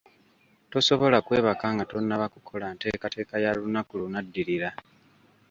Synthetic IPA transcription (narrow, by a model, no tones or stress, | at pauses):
to̞so̞βo̞lakwe̞ːβakaːŋɡato̞nːaβakukʰo̞lante̞̰ːkate̞ːkajalunakulunadːiɾiɾa